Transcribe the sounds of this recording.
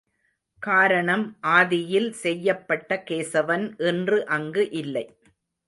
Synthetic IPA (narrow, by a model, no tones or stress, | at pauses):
kaːɾɐɳɐmʔaːðɪjɪlsɛjːɐpːɐʈːɐkeːsɐʋɐnʔɛndrɯʔɐŋɡɯʔɪlːɐɪ